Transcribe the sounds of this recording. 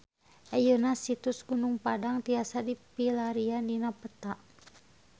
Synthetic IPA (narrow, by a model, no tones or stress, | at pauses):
ʔajənasit̪usɡunuŋpadaŋt̪iasadipilaɾianinapət̪aʔ